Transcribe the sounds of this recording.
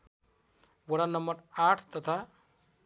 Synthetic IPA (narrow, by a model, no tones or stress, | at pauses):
wəɽanʌmbəɾaʈʰt̪ʌt̪ʰa